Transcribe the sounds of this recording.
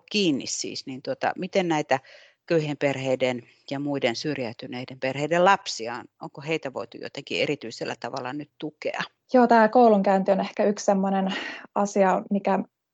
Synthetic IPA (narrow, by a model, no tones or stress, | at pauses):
kiːnːḭssḭːsniːnt̪uot̪ɑ̰mit̪ennæit̪æ | køyhemperheiden | jɑmuidensyrjæyt̪yneidemperheidellɑpsiɑnoŋkoheit̪æʋo̰it̪ṵjo̰t̪ekierit̪yiselːæ̰t̪ɑʋɑlˑːɑnyt̪t̪ukḛɑ | joːt̪æːkouluŋkæynt̪ionehkæykssemːonenʔɑsiɑmikæ